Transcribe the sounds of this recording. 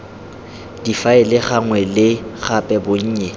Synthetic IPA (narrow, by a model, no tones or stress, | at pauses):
d̥ifaɪlɪχaŋwɛlɪɣapʼɛbʊɲ̩ːɲɛ